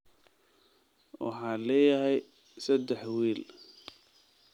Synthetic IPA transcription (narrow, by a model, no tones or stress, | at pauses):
wɑ̰ħaːlɛːjaɦɛj | sɐd̪ɛħwiːl